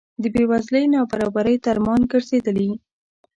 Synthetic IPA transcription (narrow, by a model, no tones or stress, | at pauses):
d̪əbewazləjnɑbaɾɑbaɾəjt̪aɾmɑnɡəɾzed̪əli